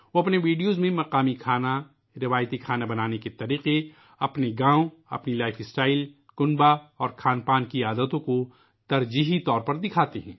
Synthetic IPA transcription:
ʋoɐpneʋiːɖijoːzmẽmɐqaːmikʰaːna | ɾɪʋaːjt̪ikʰaːnabɐnaːneket̪ɐɾiːqe | ɐpneɡãːõɐ̰pnilaːɪfʰɪsʈaːɪl | kʊnbaɔːɾkʰaːnpaːnkiaːd̪ət̪õko | t̪ɐɾd͡ʒiːɦit̪ɔːɾpɐɾd̪ɪkʰaːt̪eɦɛ̃ː

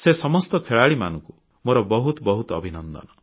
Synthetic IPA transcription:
sesɔmɔst̪ɔkʰeɭaɭima̰nɔŋku | moɾɔbɔɦut̪ɔbɔɦut̪ɔbʱinɔnd̪ɔ̰nɔ

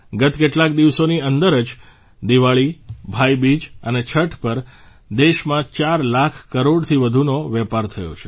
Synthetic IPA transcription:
ɡət̪keʈlak̚d̪iʋsoniənd̪əɾəd͡ʒ | d̪iʋaɭibʱajbid͡ʒənet͡ʃʰəʈʰpəɾ | d̪eʃmãt͡ʃaɾlakʰkəɾoɽt̪ʰiʋəd̪ʱunoʋɛpaɾt̪ʰəjo̰t͡ʃʰe̥

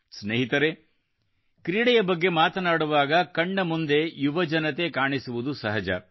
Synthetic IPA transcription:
sneːɦit̪ɐɾe | kɾiːɽɛjɐbɐɡːe̞maːt̪ɐnaːɽuʋaːɡɐkɐɳːɐmund̪e̞juʋɐd͡ʒɐnɐt̪e̞kaːɳisuʋud̪usɐɦɐd͡ʒɐ̰

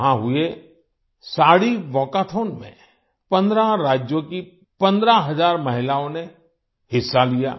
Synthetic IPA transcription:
ɦãɦʊe | saːɽiʋɔːkat̪ʰoːnmḛ̃ | pɐ̃nd̪ɾaɾaːd͡ʒjõki | pɐ̃nd̪ɾaɦɐzaːɾmɐɦɪlaːõne | hɪsːalija̰ː

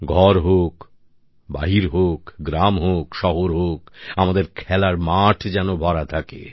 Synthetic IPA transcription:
ɡʱɔɾɦok | ba̰ɦiɾɦokɡɾamɦokʃɔɦoɾɦokamad̪eɾkʰɛlaɾmaʈʰd͡ʑɛnobʱɔɾat̪ʰakḛ

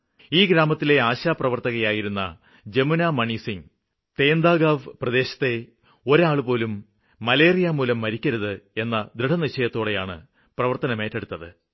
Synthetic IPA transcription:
iːɡɾaːmɐt̪ːile̞aːɕaːprɐʋɐrt̪ɐɣɐjaːjiɾunːɐ̰ | d͡ʑe̞munaːmɐɳisiŋ | t̪e̞ːnd̪aːɡaːʋprɐd̪e̞ːɕɐ̥t̪ːe̞ | o̞ɾaːɭpo̞ːlumː | ɐle̞ːrijamuːlɐmːɐɾikʲːɐɾɐðɨe̞nːɐd̪ɾiʈʰɐniɕɐjɐt̪ːo̞ːɽe̞jaːɳɨ̰ | prɐʋɐrt̪ɐnɐme̞ːtːeɽut̪ːɐðɨ

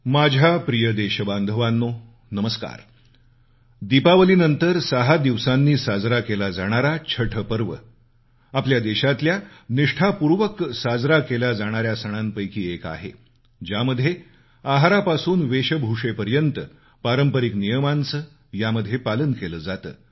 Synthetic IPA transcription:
mad͡ʑʱapɾijəd̪eɕəband̪ʱəʋanːo | nəməska̰ɾ | d̪ipaʋəliːnənt̪əɾsəɦad̪iʋsanːiːsad͡zɾakelad͡zaɽ̃aɾat͡ɕʰəʈʰəpəɾʋə̰ | apljad̪eɕat̪ljaniʂʈʰapuɾʋəksad͡zɾakelad͡zaɽ̃aɾjasəɽ̃anpəjkiːeka̰ɦḛ | d͡ʑaməd̪ʱje | aɦaɾapasuːnʋeɕəbʱuʂepəɾjənt̪ə | paɾəmpəɾiknijəmant͡sə | jaməd̪ʱːjepalənkeləːd͡zat̪ə̰ː

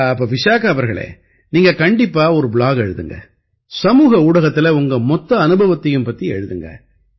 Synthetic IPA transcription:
ɐpːɐːʋɪʂaːkaʋɐɾɣɐɭḛː | niːŋɡɐkɐɳɖɪpːaːɔɾɯbɭaːɣɛɻɯðɯŋɡɐ̰ | sɐmuːɣɐuːɽɐɣɐt̪ːɪlɐʊŋɡɐmɔt̪ːɐːnɯbɐʋɐt̪ːɐjɯmpɐt̪ːiɛ̰ɻɯðɯŋɡɐ̰

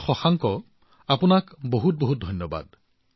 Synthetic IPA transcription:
xɔxaŋkɔ | apunakboɦut̚boɦut̚dʱɔjnjɔba̰d̚

